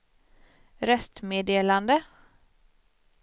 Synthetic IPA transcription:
ɾœst̪meːd̪eːland̪ə

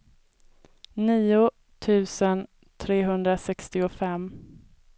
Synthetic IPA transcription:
niːʊ | t̪ʰʉ̟ːsən | t̪ʰɾeːɦɵnd̪ɾasɛkst̪ɪʊfɛm

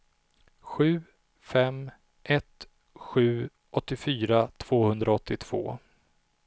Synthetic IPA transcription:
ɧʉ̟ː | fɛm | ʔɛt̪ | ɧʉ̟ː | ʔɔt̪ːɪfyːɾat̪ʰv̥oːhɵnd̪ɾaɔt̪ʰːɪt̪ʰv̥o̰ː

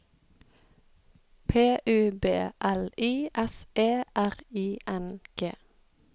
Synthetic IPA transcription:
pʰeːʔʉːbeːʔɛliːʔɛsʔeːʔæʁiːʔɛnɡ̥ḛː

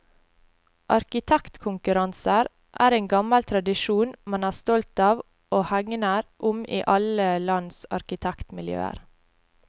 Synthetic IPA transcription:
ʔɑɾkɪt̪ʰɛkt̪kʰʊŋkʉɾɑnsəɾ | ʔæ̰ːɾeːnɡɑməlt̪ʰɾɑd̪ɪʃuːnmɑnæːst̪ɔlt̪ɑːʋ | ʔoːhæŋnəɾʔʊmiːʔɑləlɑnsɑ̰ɾkɪt̪ʰækt̪mɪljø̰ːə̰ɾ

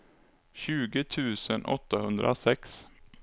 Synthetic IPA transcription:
ɕʉ̟ːɡət̪ʰʉ̟ːsənʔɔ̰t̪ːahɵnd̪ɾʔa̰sɛks

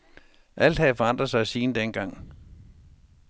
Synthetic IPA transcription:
ʔæl̰d̥hæfɒɑ̈n̰d̥ʁɐsɑ̈ɪsiːnəd̥enɡ̥ɑ̈ŋ̰

